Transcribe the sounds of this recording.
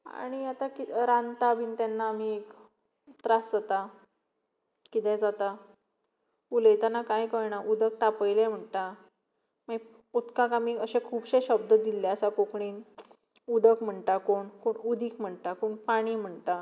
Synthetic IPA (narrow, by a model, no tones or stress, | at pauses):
a̰ɽ̃iat̪akiɾant̪abiːnt̪anːaːm̤iek | t̪ɾasd͡zat̪a | kit̪ɛ̃d͡zat̪a | uləjt̪anakajkəɭɳaʔud̪ək̚t̪apəjlem̤əɳt̪a | ma | ut̪kãkam̤iːəɕẽkʰuːbɕeɕəb̚d̪əd̪ilːeəsakokɳiːn | ud̪əkm̤əɳʈ̪akoɳkoɳud̪ʱiːkm̤əɳt̪akoɳpaɽ̃iːm̤əɳt̪a